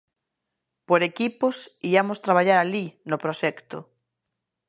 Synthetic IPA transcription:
poɾekiposiamost̪ɾaβ̞aʎaɾalinopɾoʃɛkt̪o

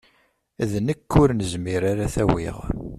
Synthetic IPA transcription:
ðnəkːʊɾnəzmiɾaɾaθæwḭʁ

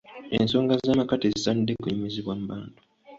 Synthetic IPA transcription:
e̞̰nso̞ːŋɡazaːmakatezisaːnidekuɲimiziβwam̩baːntu̥

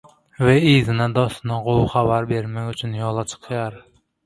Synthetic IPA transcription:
vɛizɪnɛd̪ɒst̪nɨʁowχævæɾbeɾmɛkʲyt͡ʃʰynjɔlˠɑt͡ʃʰə̥qʰjɑɾ

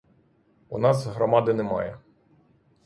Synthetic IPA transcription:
unɑzɦɾɔmɑd̪ɪnɛmɑ̰jɛ

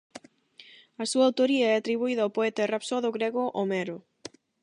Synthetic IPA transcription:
ɐsuɐawt̪oɾiɐɛat̪ɾiβuiðawpoɛt̪arapsoðoɣɾeɣoʔomɛɾʊ

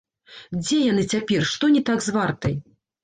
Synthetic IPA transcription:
d͡zʲɛjanɨt͡sʲapʲɛrʂt̪ɔnʲit̪aɡzvart̪ɐj

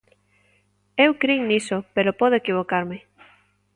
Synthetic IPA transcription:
ewkɾinisopeɾopɔð̞oekiβokaɾmɪ

